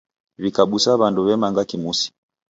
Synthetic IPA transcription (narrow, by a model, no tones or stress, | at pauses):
βikaɓusaβanduβɛmaŋɡakimusi̥